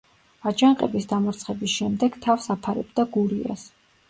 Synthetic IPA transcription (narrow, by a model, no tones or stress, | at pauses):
ad͡ʒaɴqʼɛbisd̪amɔɾt̪sʰχɛbisʃɛmd̪ɛɡ̥t̪ʰafsapʰaɾɛ̰bd̪aɡuɾia̰s